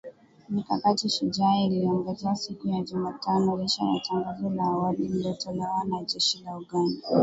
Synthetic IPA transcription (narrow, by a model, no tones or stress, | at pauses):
mikakatiʃud͡ʒailiaŋɡaziasikujaʄumatanɔliʃa̰ja̰taŋɡazɔlaːwalililiɔtɔlɛwanad͡ʒɛʃilauɡanda